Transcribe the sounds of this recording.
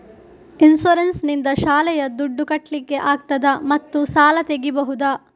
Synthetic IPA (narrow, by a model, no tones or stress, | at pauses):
insoɾensnind̪ɐʃaːlɛjɐd̪uɖːukɐʈlikːe̞ʔaːɡ̚t̪ɐd̪ɐmɐt̪ːusaːlɐt̪eɡibɐɦud̪ɐ